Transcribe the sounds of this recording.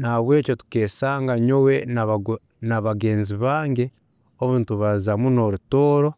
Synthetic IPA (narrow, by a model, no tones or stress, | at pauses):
naβwe̞ːco̞tu̥ke̞ːsaːŋɡaɲo̞we̞ | naβaɡe̞ːnziβaːŋɡe̞ | oβuːntuβazamuno̞ɾutoːɾo̞